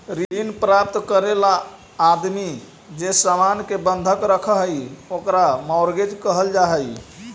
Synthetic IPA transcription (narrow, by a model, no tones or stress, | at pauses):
ɾiinpɾap̚t̪kəɾelaː | d̪mi | d͡ʒesamankebənd̪ʱəkɾəkʰəɦəjokɾamɔʊɾɡed͡ʒkəɦəld͡ʒaɦɛj